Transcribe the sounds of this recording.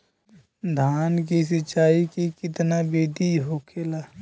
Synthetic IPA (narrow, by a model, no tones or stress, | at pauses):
d̪ʱaːnk̬is̬ət͡ʃaːikikɪt̪nabeːd̪iɦoːkʰeːlaː